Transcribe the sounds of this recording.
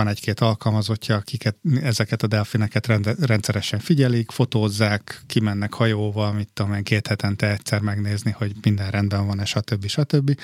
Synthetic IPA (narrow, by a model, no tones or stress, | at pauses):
ɒnɛckeːt̪ɒlkɒlmɒzo̞cːɒːkikɛt̪ɛzɛkɛt̪ɒd̪ɛlfinɛkɛt̪rɛnt̪sɛɾɛʃɛɱfiɟɛlikfo̞t̪oːzːaːkːimɛnːɛkhɒjoːvɒlmit̪ːomeːŋkeːt̪hɛt̪ɛnt̪ɛɛctsɛrmɛɡneːzniho̞ɟmind̪ɛnrɛnd̪bɛɱvɒnɛʃɒt̪ø̞bːiʃɒt̪ø̞bːi